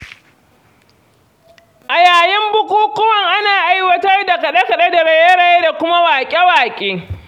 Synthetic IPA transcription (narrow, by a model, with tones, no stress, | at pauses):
ʔa˨jaː˨jɪ˦mbʊ˦kʷuː˦kʊ˦wɐ˦˨ŋʔa˦naː˨ʔa˦jwɐ˦tɐ˦rda˨kɐ˨ɗe˦kɐ˨ɗe˦da˨ɽɐ˦jɐ˦ɽa˦jda˨kʷʊ˦ma˦waː˨kʲʼe˦waː˨kʲʼeː˦